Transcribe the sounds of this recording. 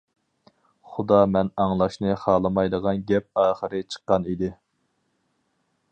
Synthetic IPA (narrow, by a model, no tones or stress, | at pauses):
χʊd̪ɑmɛnɑŋlˠɑʃnɨχɑːlˠɨmɑjd̪əʁɑnɡʲɛp̚ɑːχəɾɨt͡ʃʰə̥qːɑnid̪ɪ